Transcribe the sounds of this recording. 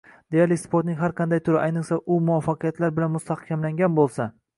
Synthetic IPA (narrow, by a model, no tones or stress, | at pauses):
d̪̥ejaɾlɪkʲspʰoɾt̪nɪŋʲɦaɾqʰɑnd̪ajt̪ʰʊɾɪʔajnɨqsaʔʊmʊwafːɑqʰɨjat̪ʰlaɾbɪlanmʊst̪ʰahkʲʰamlaŋɡʲanbolˠsa